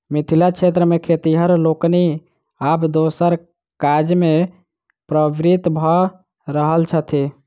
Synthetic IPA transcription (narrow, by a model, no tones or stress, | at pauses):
mit̪ʰilat͡ʃʰet̪ɾəmekʰet̪iɦəɾlokni | abd̪osəɾ | kad͡ʒme | pɾəbɾit̪bʱə | ɾəɦəlt͡ʃʰət̪ʰi